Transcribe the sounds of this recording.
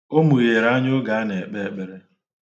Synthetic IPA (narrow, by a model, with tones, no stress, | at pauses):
o˦mu˨je˨ɾa˦ɲo˦ɡa˨˦ne˨e˨k͡pe˦e˨k͡pe˦ɾe˦